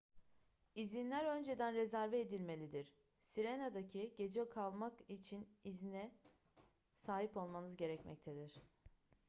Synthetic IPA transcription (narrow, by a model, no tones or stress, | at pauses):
izinlʲæɾø̞nd͡ʒe̞d̪ænɾe̞zæɾvɛːd̪ilʲme̞lʲid̪iɾ̥ | siɾenad̪acʰiɟe̞d͡ʒɛkʰalˠmakit͡ʃʰinizinɛ | saːɦipo̞lˠmanɯzɟe̞ɾɛcmɛ̰c̚t̪ʰed̪iɾ̝̥